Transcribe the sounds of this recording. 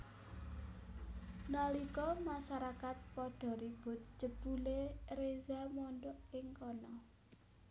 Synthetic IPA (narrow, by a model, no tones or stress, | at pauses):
nalikɔmaʃaɾakat̪̚pɔɖ̥ɔ̤ɾib̥ʊ̤t̪̚t͡ʃəb̥uleɾezamɔndɔʔɪŋkɔnɔ